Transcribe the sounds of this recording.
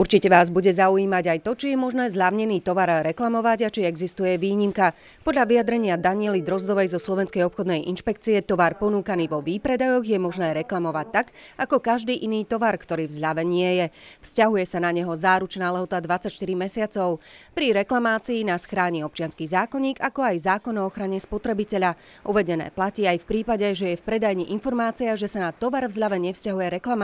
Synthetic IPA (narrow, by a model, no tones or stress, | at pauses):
uɾt͡ʃicɛʋaːzbuɟɛzauiːmaɟajt̪ɔt͡ʃijɛmɔʒnɛːzʎaʊɲɛniːt̪ɔʋaɾɾɛklamɔʋaɟat͡ʃiɛɡzist̪ujɛʋiːɲimka | pɔd̪ʎaʋijad̪ɾɛɲɪad̪aɲɪɛlid̪ɾɔzd̪ɔʋɛjzɔslɔʋɛnskɛjɔpxɔd̪nɛjʔḭnʃpɛk̚t͡siɛt̪ɔʋaɾpɔnuːkaniːʋɔʋipɾɛd̪ajɔɣjɛmɔʒnɛːɾɛklamɔʋac̚t̪aɡakɔkaʒd̪iːʔiniːt̪ɔʋaɾkt̪ɔɾiːvzʎaʋɛnɪɛjɛfscaɦujɛsanaɲɛɦɔzaːɾut͡ʃnaːlɛɦɔt̪ad̪ʋat͡sacʃt̪iɾimɛsɪat͡sɔʊpɾiɾɛklamaːt͡siinasxɾaːɲiɔp̚t͡ʃɪanskiːzaːkɔɲiːɡakɔajzaːkɔnɔɔxɾaɲɛspɔt̪ɾɛbicɛʎa | ʔuʋɛɟɛnɛ̰ːplaciːajfpɾiːpaɟɛʒɛjɛfpɾɛd̪ajɲiʔinfɔɾmaːt͡siaʒɛsanat̪ɔʋaɾvzʎaʋɛɲɛfscaɦujɛɾɛklama